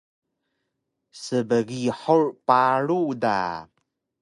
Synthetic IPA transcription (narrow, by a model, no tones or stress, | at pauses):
səbəɣiħurpaɾuda̰